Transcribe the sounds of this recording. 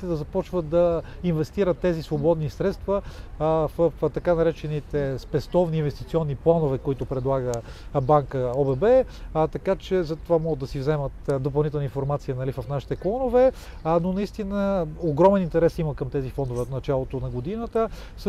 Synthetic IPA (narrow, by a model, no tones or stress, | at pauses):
it̪ɛd̪ɐzɐpɔt͡ʃvət̪̚d̪ɐinvɛst̪iɾət̪ːɛzisvobɔd̪nisɾɛt̪st̪və | vəft̪ɐkanɐɾɛt͡ʃɛnit̪ɛspɛst̪ɔvniːnvɛst̪it̪siɔnːiplˠanovɛkoit̪ʊpɾɛd̪lˠaɡə | baŋkəɔbɛbɛt̪ɐkat͡ʃɛzɐt̪ovamɔɡəd̪ɐsivzɛmət̪d̪op̬ɐlˠnit̪ɛlˠnəinfoɾmat̪sijənɐlivɐfnaʃi̥t̪ɛklˠɔnovɛ | nonɐist̪inəoɡɾɔmɛnint̪ɛɾɛsiməkɐmt̪ɛzifɔnd̪ovɛot̪nɐt͡ʃalˠot̪onɐɡod̪inət̪ə | s